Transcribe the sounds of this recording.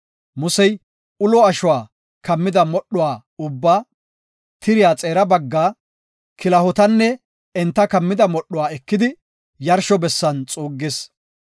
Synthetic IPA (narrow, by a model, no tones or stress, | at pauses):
mʊsɛj | ʊlɔɐʃʊwaː | kɐmːɪd̪ɐmɔɗːʊwaː | ʊbːaː | t̪ɪɾɪjaːt͡sʼe̞ːɾɐbɐɡːaː | kɪlɐhɔt̪ɐnːɛ | ɛnt̪ːɐkɐmːɪd̪ɐmɔɗːʊwaːɛkːɪd̪ɪ | jɐɾʃɔbɛsːɐnt͡sʼuːɡːɪs